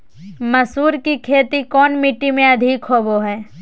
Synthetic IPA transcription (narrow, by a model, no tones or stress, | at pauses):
mɐsuːɾkikʰeːt̪ikɔːnmiʈːimẽɐd̪ʱikɦoːboɦɛː